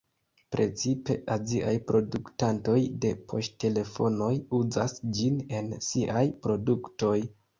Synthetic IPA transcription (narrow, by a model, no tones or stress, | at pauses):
pɾe̞̰t͡sipe̞̰ʔaziʔajpɾo̞duktanto̞jde̞pʰo̞̰ʃtte̞le̞fo̞̰no̞juzasd͡ʒine̞nsiʔajpɾo̞dukto̞j